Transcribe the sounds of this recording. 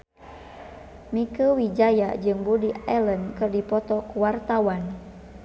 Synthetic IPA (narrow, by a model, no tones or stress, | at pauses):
mikəwid͡ʒajad͡ʒɨŋbudiɛlənkɨrdipɔt̪ɔkuwart̪awan